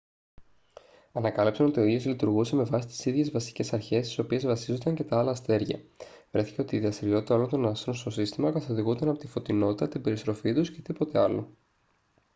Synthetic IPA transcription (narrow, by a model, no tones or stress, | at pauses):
ɐnɐkɐlepsɐno̞t̪ioiezlit̪uɾɣuse̞me̞vɐsi̥t̪i̥siðʝe̞zvɐsi̥ce̞sɐɾçe̞st̪i̥so̞pie̞zvɐsizo̞nd̪ɐɲce̞t̪ɐɐlɐst̪e̞ɾʝɐ̰vɾe̞θi̥ce̞o̞t̪iːðɐst̪iɾio̞t̪it̪ɐolo̞nt̪o̞nɐst̪ɾonst̪o̞sist̪imɐkɐθo̞ðiɣunt̪ɐnɐpo̞t̪ifo̞t̪ino̞t̪it̪ɐt̪ibe̞ɾist̪ɾo̞fit̪usce̞t̪ipo̞t̪e̞ɐlo̰